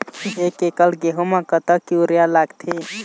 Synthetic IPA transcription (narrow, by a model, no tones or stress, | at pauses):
ekekəlɡeɦomãkət̪əkiuɾjalaɡt̪ʰi